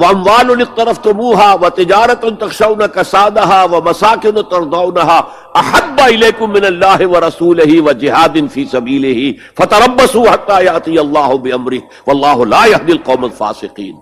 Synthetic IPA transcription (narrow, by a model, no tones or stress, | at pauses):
wɐʔɐmwaːlʊnɪq̚t̪ɐɾɐft̪ʊmuːɦaːʋɐt̪ɪd͡ʒaːɾɐt̪ʊnt̪ɐxʃawnakɐsaːd̪aɦaːwɐmɐsaːkɪnt̪ɐɾd̪awnaɦaː | ʔɐħabːaɪleːkʊmːɪnɐlːaːɦɪʋɐɾˤɐsuːlɪɦɪʋɐd͡ʒɪɦaːd̪ɪnfiːsɐbiːlɪɦi | fɐt̪ɐɾˤɐbːɐsuːħat̪ːaːjaʔt̪ˤijɐlˤːaːɦʊbɪʔɐmɾɪh | ʋɐlˤːaːɦʊlaːjahd̪ɪlqɑːmalfa̰ːsɪqḭːn